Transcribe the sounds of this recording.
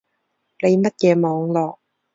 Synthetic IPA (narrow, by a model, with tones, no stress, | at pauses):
ne˨˧jmɐ˥t̚kɛː˧mɔː˨˧ŋlɔː˨k̚